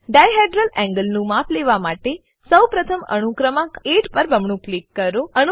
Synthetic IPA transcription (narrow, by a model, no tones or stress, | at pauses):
ɖajɦeʈɾəlɛ̃ŋɡəlnũmapʰleʋamaʈe | səwpɾət̪ʰəmə̰ɳ̃ukɾəmãeʈpəɾbʱəmɳũklikːəɾoən